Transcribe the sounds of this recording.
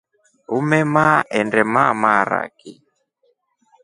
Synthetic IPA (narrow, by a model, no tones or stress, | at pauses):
umɛmaɛndɛmaːmaːɾa̰ki